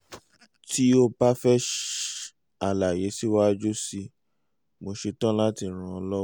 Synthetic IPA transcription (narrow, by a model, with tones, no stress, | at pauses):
ti˦o˧ba˦fɛ˦ʃ | a˨la˨je˨˦si˦wa˦d͡ʒo˦si˧ | mo˧ʃe˧tã˦la˦ti˧˨ɾ̃ã˧ɔ˧lɔ˦